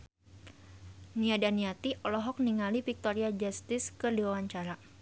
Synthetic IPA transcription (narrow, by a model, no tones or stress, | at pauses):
niadaniat̪iʔɔlɔɦɔk̚niŋalifik̚t̪ɔɾiad͡ʒast̪ɪskɨrdiwawaɲt͡ʃaɾa